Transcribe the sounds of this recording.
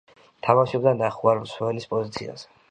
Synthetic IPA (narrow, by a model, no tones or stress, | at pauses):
t̪ʰamaʃɔbd̪anaχuaɾlswɛlispʼɔzit̪sʰḭa̰z̥ɛ